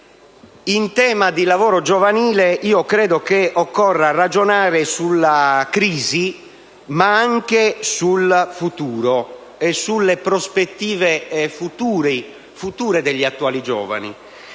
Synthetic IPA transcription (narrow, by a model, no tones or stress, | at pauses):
int̪ɛːmad̪ilavɔːɾod͡ʒovaniːleiːokɾɛːd̪okeɔkːɔrːarad͡ʒonaːɾesulːakɾiːzi | maaŋkesulfut̪uːɾo | esulːepɾospet̪ːiːvefut̪uːɾi | fut̪uːɾed̪eʎːiat̪ːuaːlid͡ʒɔ̰ːva̰nḭ